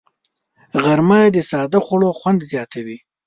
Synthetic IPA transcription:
ɣaɾmajd̪əsɑd̪axʷaɽoxwand̪zjɑt̪ʰawi

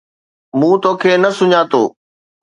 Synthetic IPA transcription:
mũːt̪oːkʰeːnɐsʊɲaːt̪o̰ː

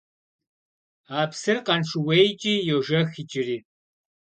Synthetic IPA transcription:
aːpsɨrqɐnʂɨwejt͡ʃʼiːjoʒɐxit͡ʃʼɪriː

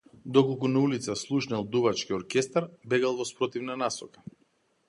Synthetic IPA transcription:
d̪ɔkolˠkunaulit̪saslˠuʃnɛlˠd̪uvat͡ʃkiɔɾkʲɛst̪aɾbɛɡalˠvɔspɾɔt̪ivnanasɔkḁ

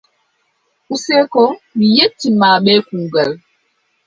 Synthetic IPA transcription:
ʔusɛkɔmijetːimaːɓɛːkuɡal

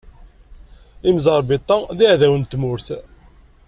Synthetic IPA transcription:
imzɑɾˤbit̪ˤːɑðiʕðæwənt̪ːmʊɾθ

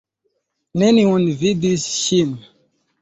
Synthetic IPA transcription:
nɛniwɔ̃nvid̪isʃin

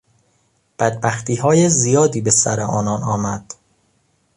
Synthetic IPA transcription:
b̥æd̪̚bæxt̪ʰiːɦɒːjezijɒːd̪iːbe̞sæɾeʔɒːnɒːnɒːmæd̪̥

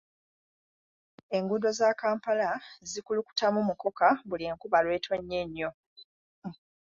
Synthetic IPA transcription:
e̞ŋɡudo̞zaːkaːmpalazikuluku̥tamumuko̞kaβulieːŋkuβalwe̞ːtweɲːe̞ɲːo̞

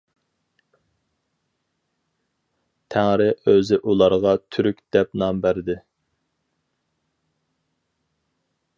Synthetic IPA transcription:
t̪ʰæŋɾɪʔøzɪʔulˠɑɾʁɑt̪ʰyɾykʲd̪̥ɛp̚nɑmbæɾd̪ɪ

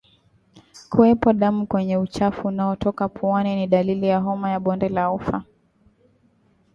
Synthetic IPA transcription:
kuwɛpɔɗamukwɛɲɛut͡ʃafuːnaɔtɔkapʰuaniniɗalilijaɦɔmajaɓɔndɛlaufa

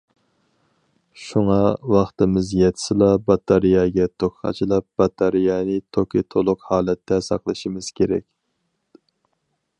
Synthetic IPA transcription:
ʃuŋɑwɑχt̪ɨmɪzjɛt̪ʰɪ̥sɨlˠɑbɑt̪ʰɑɾijɑɡʲɛt̪ʰokʲʰχɑ̰t͡ʃʰilˠɑp̚b̥ɑt̪ʰɑɾijɑnɨt̪ʰokʲit̪ʰolˠʊqhɑːlˠɛt̪ʰːɛsɑ̰qlˠɨʃimɪz̥kʲʰeɾɛ̰kʲ

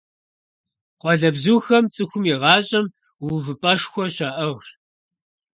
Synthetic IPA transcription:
qʷʼɔɮɐbzuːxɐmt͡sʼɨxʷʊmiʁɑːɕʼɐm | wuvɨpʼɐʂxʷɔɕaːʔɐʁr

